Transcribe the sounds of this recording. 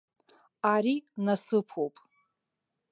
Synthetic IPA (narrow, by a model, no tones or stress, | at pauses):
aɾinasɨpʰowpʼ